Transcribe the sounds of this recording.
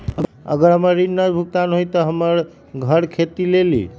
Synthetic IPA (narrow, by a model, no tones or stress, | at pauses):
ə̰ɡəɾɦəməɾːinːəd͡ʒbʱuk̚t̪anɦojt̪əɦəməɾ | ɡʱəɾkʰet̪ilelḭ